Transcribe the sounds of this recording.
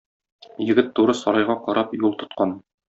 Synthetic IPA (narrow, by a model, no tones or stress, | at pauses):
jɘ̆ɡɘt̪ːuɾɤsɒɾɑjʁɑqɒɾɑpjulˠt̪ŏt̪qɑn